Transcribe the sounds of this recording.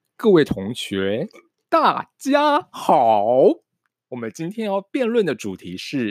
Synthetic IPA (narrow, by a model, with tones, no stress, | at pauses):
kɤ˥˧we˥˩ɪt̪ʰʊ˧˥ŋɕɥɛ˧˥ | t̪a˥˩t͡ɕja˥xɑ˨˩ʊ | wɔ˨˩mə˦nt͡ɕi˥nt̪ʰjɛ˥njɑ˥˧ʊpjɛ˥˧nlwə˥˩nd̪ə˩ʈ͡ʂu˨˩t̪ʰi˧˥ʂɻ̩˥˩